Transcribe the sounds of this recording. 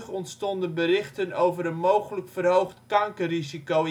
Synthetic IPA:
χɔntstɔndənbərɪχtənowvərənmowχələkfərɦowχtkɑŋkəriziko

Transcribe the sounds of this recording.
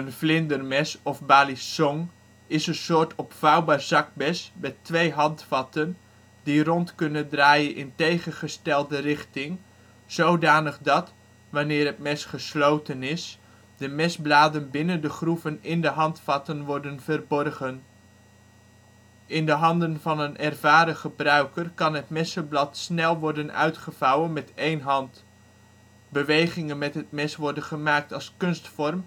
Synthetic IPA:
ənflɪndərmɛsɔfbaːlisɔŋ | ɪsənsʊːtʰɔpfɑwbaːrzɑk̚bɛsmɛtʋejɦɑntfɑtən | dirɔntkɵnəndraːjənʔɪntejχənχəstɛlˠdərɪχtɪŋ | z̥owdaːnəχdɑt | ʋanɪːrɦət̚mɛsχəslowtənɪs | d̥əmɛzblaːdənbɪnəndəχruvənɪndəɦɑntfɑtənʋɔrdənvərbɔrχən | ɪndəɦɑndənvɑnənʔɛrvaːɾəχəbrœɥkərkɑnɦətmɛsəblɑtsnɛlˠʋɔɹdənœ̰ɥtχəvɑwənmɛtejnɦɑnt | bəʋejχɪŋənmɛtɦət̚mɛsʋɔɹdənχəmaːk̚tɑlˠskɵnstfɔrm

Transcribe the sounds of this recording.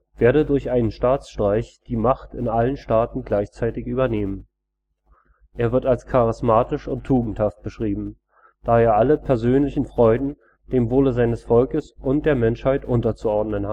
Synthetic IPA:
v̥eːɐɾədʊɐçʔaɪnənʃtaːt͡sʃtʁ̥aɪçd̥iːmaχtɪnʔalənʃtaːtn̩ɡlaɪçt͡saɪtɪçʔyːbɐneːmən | ʔeːɐvɪɐtalskʰaʁɪsmaːtɪʃʊntʰːuːɡŋ̩thaft̚b̥əʃʁ̥iːbm̩ | d̥aːeːɐʔaləpʰɛɐzøːnlɪçn̩fʁ̥ɔʏdn̩ | d̥eːmvoːləzaɪnəsfɔlkəsʔʊntd̥eːɐmɛnʃhaɪtʔʊntɐt͡suɔɐdnəna

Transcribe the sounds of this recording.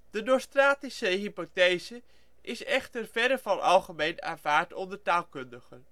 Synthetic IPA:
d̥ədostraːtisəɦipotejzə | ʔɪsɛχtəɹvɛɾəvɑnʔɑlˠχəmejna̰ːnv̥aːɹtɔndəɹtaːlˠkɵndəχən

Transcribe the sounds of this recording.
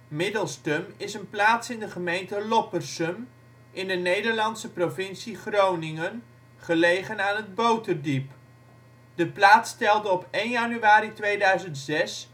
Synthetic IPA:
mɪdəlˠstəmɪsənplaːtsɪndəχəmejntəlɔpərsəm | ʔɪndənejdəɹlɑnsəprovɪnsiχrownɪŋən | χəlejχənaːnɦəd̚bowtərdip | d̥əplaːtstɛlˠdəɔpejnjanyaːɾitʋejdœɥzəntzɛs

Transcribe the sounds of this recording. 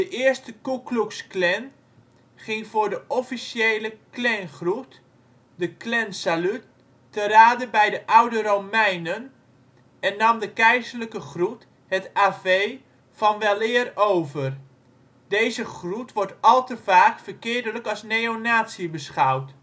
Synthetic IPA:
d̥əʔɪːɹstəkukluksklɛn | χɪŋvʊːɹdəʔɔfisjejləklɛnχrut | dəklɛnsalytː | əɾaːdəbɛjdəʔʌwdəɾomɛjnən | ɛnːɑmdəkɛjzəɹləkəχrut | ɦətaːvej | v̥ɑnʋɛlˠɪːrowvər | dejzəχrutʋɔɹtɑlˠtəvaːkfərkɪːɹdələkɑsnejonaːtsiəbəsχʌwt

